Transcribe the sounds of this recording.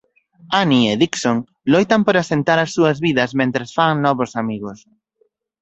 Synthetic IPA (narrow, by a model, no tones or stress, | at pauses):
anieðiksoŋ | lojt̪ɐmpoɾasent̪aɾɐsːuɐzβiðɐzmẽnt̪ɾasfaŋnɔβʊsamiɣʊs